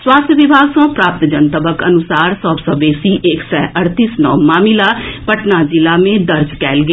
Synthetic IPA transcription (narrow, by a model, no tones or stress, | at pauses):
swaːst̪ʰjəʋɪbʱaːɡsõːpɾaːp̚t̪d͡ʒənt̪əbəkənʊsaːɾsɔːbsəbeːsiʔeːksɛːəɾt̪iːsnɔ̰ːmaːmilapəʈnad͡ʒɪlaːmẽd̪əɾd͡ʒkɛːlɡe